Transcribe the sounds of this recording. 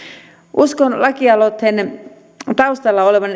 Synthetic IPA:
ʔuskonlɑkiɑlot̪hen | t̪ɑust̪ɑlːɑole̞ʋɑn

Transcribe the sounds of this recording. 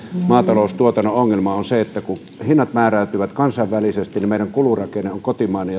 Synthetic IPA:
mɑːt̪ɑloˑust̪uot̪ɑnooŋːelmɑonseet̪ːæku | hinːɑt̪mæːræˑyt̪yʋæt̪kɑnsɑˑʋʋælisest̪inimeˑiræŋkulurɑkeneʔʔoŋkot̪imɑˑenej

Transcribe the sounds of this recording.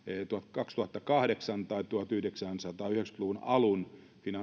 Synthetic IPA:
t̪uhɑt̪kɑkst̪uhɑt̪ːɑkɑhɾeksɑnt̪ɑit̪uhɑt̪yhdeksænsɑt̪ɑːyhekspluʋunɑlun | finɑ

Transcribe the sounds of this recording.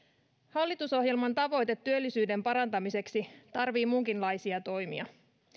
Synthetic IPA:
hɑlːit̪uso̞ɦjelmɑnt̪ɑʋo̞jt̪et̪ːyølːisyːde̞mpɑɾɑnt̪ɑmise̞ksit̪ɑrʋiːmuŋkinlɑjsiɑt̪o̞jmḭɑ̰

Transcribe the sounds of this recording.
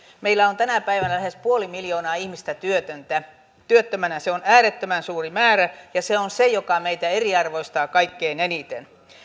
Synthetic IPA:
meilːˑæont̪ænæpæiʋænælæhespuolimiljoːnɑːihmist̪æt̪yøt̪ønt̪æ | t̪yøt̪ːømænæseonæːret̪ːømænsuːrimæːræjɑseonsejokɑmeit̪æeriɑrʋoist̪ɑːkɑikːeinenit̪ḛn

